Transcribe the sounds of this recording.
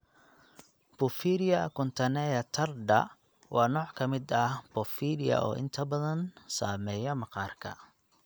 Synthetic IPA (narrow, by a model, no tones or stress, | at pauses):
b̥ʊfiːɾɪjɐkʰʊnt̪ʰɐnɛːjɐt̪ʰɐrd̪ɐ̰ | wɑːnɔːʕkʰɐmɪd̪ɐhb̥ɔfiːlɪjɐ̰ʔɔ̰ːʔɪ̰nt̪ʰɐbɐðɐnsaːmɛːjɐmɑqɑːrkʰɐ̰